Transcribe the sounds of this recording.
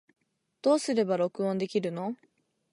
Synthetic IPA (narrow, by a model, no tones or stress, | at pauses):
d̪̥o̞ːsɨɾe̞baɾo̞kɯ̟õnd̪e̞kʲiɾɯ̟no̞